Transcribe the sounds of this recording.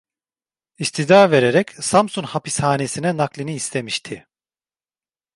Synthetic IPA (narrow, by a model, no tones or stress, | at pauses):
ist̪ʰid̪aːve̞ɾeɾɛcsamsunhapishaːne̞sinɛnaklʲiniːst̪ʰe̞miʃt̪ʰɪ